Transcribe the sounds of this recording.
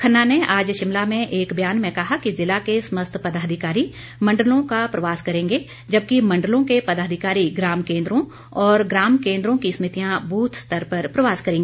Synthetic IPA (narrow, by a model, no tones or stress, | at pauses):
kʰɐnːaneaːd͡ʒʃɪmlamẽʔeːkbjaːnmẽkɐɦakizɪlakesməst̪ʰpɐd̪aːd̪ʱɪkaːɾi | mɐ̃ɳɖəlõkapɾɐʋaːskɐɾẽːŋɡe | d͡ʒɐb̚kimɐ̃ɳɖəlõkepɐd̪aːd̪ʱɪkaːɾiɡɾaːmkẽːnd̪ɾõ | ɔːɾɡɾaːmkẽːnd̪ɾõkismɪt̪ijãbʱuːt̪ʰst̪ʰəɾpɐɾpɾɐʋaːskɐɾẽːɡeː